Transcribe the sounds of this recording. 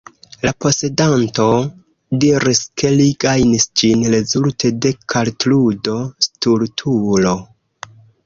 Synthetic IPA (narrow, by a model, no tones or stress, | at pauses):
lapo̞se̞danto̞ | diɾiskʰe̞liɡajnisd͡ʒinɾe̞zultʰe̞de̞kʰaltludo̞stuɾtʰulo̞